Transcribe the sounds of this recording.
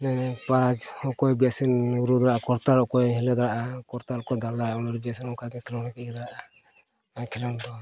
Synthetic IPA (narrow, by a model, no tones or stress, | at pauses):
nɛpaɾad͡ʒhɔkɔjbiasinuɾud̪aɾaʔakɔɾt̪aɾɔkɔjɦɛlɛd̪aɾaʔakɔɾt̪aɾɔkɔjd̪adaɾaaɔnɔɾubiasinɔkaɡɛkʰɛlɔnakɛɡɛd̪aɾaʔa | akʰɛlɔnd̪ɔ